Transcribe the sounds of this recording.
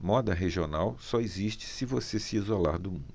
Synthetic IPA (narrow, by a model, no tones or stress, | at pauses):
mɔd̪ɐɦeʒionawsɔeziʃt͡ʃɪ̥sɪvosesɪizola̰ɾd̪ʊmũd̪